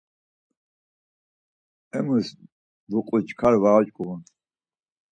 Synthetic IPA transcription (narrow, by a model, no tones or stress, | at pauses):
ɛmus | d̪uqʼut͡ʃʼkʰaɾvaat͡ʃʼkʼuun